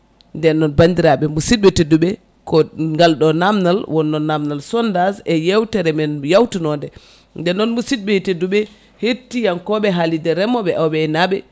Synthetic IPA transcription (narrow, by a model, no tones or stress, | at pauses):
ndɛnːɔnbandiɾaɓɛmusit̚ɓɛteduɓɛ | kɔŋɡalɗɔnamnalwɔnːɔnːamnalsɔndazɛjawtɛɾɛmɛnjawtinɔndɛ | ndɛnːɔnmusid̚ɓɛteduɓɛ | hetːijankɔɓɛɦalidɛɾɛmɔɓɛʔawɓɛɛnaɓɛ